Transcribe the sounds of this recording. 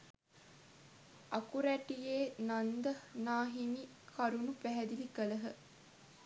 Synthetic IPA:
ɐkuɾæʈijeːnand̪ənaːɦini | kʰaɾunupæɦæd̪ilikələɦə

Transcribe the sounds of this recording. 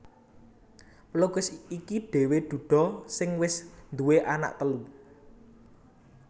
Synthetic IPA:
ploɡ̥ʊsikiɖ̥e̤wed̪̥ṳɖ̪̥ɔ̤sɪŋwɪsnd̪uweʔana̰ʔt̪əlu

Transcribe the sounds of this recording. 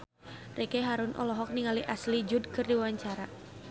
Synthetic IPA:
rekɛɦaɾʊnʔɔ̰lɔɦɔk̚niŋaliʔaslid͡ʒudkɨrdiwaɲt͡ʃaɾa

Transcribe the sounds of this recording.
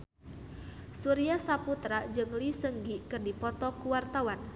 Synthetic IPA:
suɾiasaput̪ɾad͡ʒɨŋlisəŋɡikɨrdipɔt̪ɔkuwart̪awan

